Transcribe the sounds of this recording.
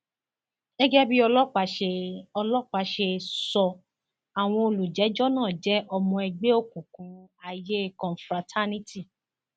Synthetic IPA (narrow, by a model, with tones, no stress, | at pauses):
ɛ˦ɡɛ˦bi˦ɔ˧lɔ˦k͡pa˨˦ʃe˧ɔ˧lɔ˦k͡pa˧ʃe˧sɔ˧ | a˨w̃ɔ̃˧o˧lu˨d͡ʒɛ˨˦d͡ʒɔ˦nãː˦˨d͡ʒɛ˨˦ʔɔ˧mɔ̃˧ɛ˧ɡ͡be˦o˦˨kũ˨kũ˨˦a˧je˦˨kɔ̃˨n˨fɾa˨˧tʰa˦nĩ˦ti˦˨